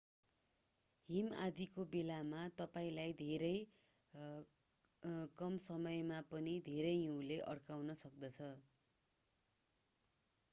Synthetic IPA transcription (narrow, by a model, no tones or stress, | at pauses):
ɦimad̪ʱikobelamat̪ʌpaĩlajd̪ʱeɾʌj | kʌmsʌmʌjmapʌnid̪ʱeɾʌjɦuw̃leʔʌɽkawnʌsʌk̚d̪ʌt͡sʰʌ